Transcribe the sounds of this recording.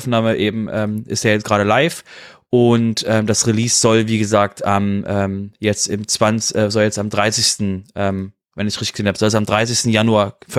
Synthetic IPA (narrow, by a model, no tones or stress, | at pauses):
fnaːməʔeːbm̩ʔɛːmʔɪ̰steːɐjɛt͡sɡ̥ʁaːɾəlaɪfʔʊntʔɛːmdasʁiliːsz̥ɔlviːɡəzaːk̚tamʔɛːmjɛt͡stɪmt͡sv̥anʔɛːzɔljɛt͡stamdʁaɪsɪçstn̩ʔɛːm | vɛnɪçʁɪtɪ̥ɡ̥əzeːnhabəz̥ɔlsamdʁaɪs̬ɪçstn̩januaːɐf